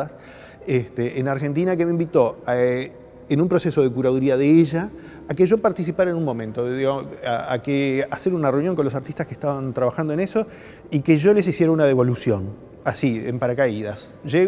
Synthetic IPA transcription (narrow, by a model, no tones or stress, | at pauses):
as | est̪eʔːnaɾxe̞nt̪̬inak̬emeĩmbit̪o̞ | enũmpɾo̞seso̞ð̞ekuɾaðuɾiaðeeʒaː | keʒo̞paɾt̪is̬ipaɾaenunmõ̞mẽnt̪oðiɣaaa̰kease̞ɾunare̞unjoŋkolo̞s̬aɾt̪iht̪askeht̪aβant̪ɾaβaxand̪oene̞so̞ | ikeʒo̞le̞s̬isje̞ɾaunaðe̞βolusjo̞n | asiḛmpaɾakaiðas | ʒe